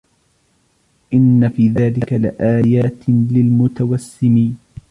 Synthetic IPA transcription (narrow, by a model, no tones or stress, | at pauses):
ʔɪnːafiːðaːlɪkalɪ̰ʔaːjaːt̪lɪlmʊt̪awasːɪmiːn